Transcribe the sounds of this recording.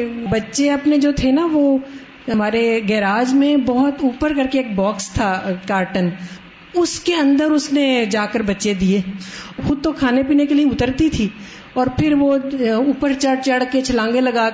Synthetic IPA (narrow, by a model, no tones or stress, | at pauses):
bɐtːʃeɐpned͡ʒoːt̪ʰenaʋo | ɐmaːɾeɡɛːɾaːd͡ʒmẽbɔɦʊt̪uːpəɾkɐɾkeeːk̚bɔːkst̪ʰakaːɾʈən | ʊskeɐ̃nd̪əɾʊsned͡ʒaːkəɾbɐtːʃed̪ieːxʊd̪̚t̪okʰaːnepiːnekelieʊt̪əɾt̪it̪ʰiː | ɔːɾpʰɪɾʋouːpəɾt͡ʃɐɽt͡ʃɐɽket͡ʃʰɐlãːŋɡelɐɡaː